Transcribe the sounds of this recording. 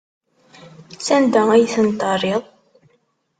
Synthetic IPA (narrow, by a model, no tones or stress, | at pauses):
sænd̪ææjθənt̪ərˤiðˤ